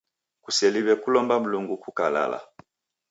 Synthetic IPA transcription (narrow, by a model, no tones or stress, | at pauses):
kusɛliβɛkulɔmbam̩luŋɡukukala̰la̰